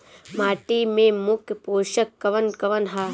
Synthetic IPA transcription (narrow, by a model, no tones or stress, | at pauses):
maːʈimẽmʊkpoːʃɐkːɐʋɐnkɐʋɐnɦaː